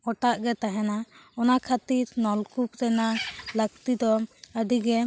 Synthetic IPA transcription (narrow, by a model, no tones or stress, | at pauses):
ɔʈaʔɡɛt̪aɦɛnaɔnakʰat̪iɾnɔlkup̚ɾɛnaləkt̪id̪ɔəd̪iɡɛ